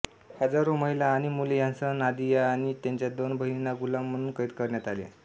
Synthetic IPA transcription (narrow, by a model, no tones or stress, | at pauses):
həd͡zaɾoməɦilaːɽ̃imulejãnt͡sənad̪ijaːɽ̃it̪jaɲt͡ɕjad̪onbʱəɦinaɡulamːəɽ̃uːnkəit̪kəɾɳjat̪alḛ